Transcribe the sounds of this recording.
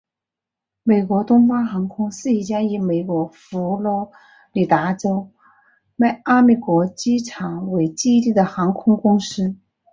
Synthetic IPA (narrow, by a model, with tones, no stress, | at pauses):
me˨˩ɪkwɔ˧˥t̪ʊ˥ŋfɑ˥ŋxɑ˧˥ŋkʰʊ˥ŋsɹ̩˥˩i˧˩t͡ɕja˥i˧˥me˨˩ɪkwɔ˧˥fu˧˥lwɔ˧˥ | li˨˩t̪a˧˥ʈ͡ʂo˥ʊ | ma˥˩ɪa˥me˨˩kwɔ˧˥t͡ɕi˥ʈ͡ʂʰɑ˨˩ŋwe˧˥ɪt͡ɕi˥t̪i˥˩d̪ə˩xɑ˧˥ŋkʰʊ˥ŋkʊ˥ŋʂɻ̩˥